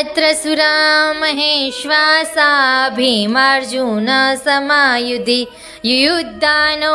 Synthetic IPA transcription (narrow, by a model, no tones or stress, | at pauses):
t̪ɾɐsuɾaːmɐɦeːʃʋaːsɐɦɐɐbʱimaːɾd͡ʒuːnɐsɐmaːjud̪i | jujut̪ːaːno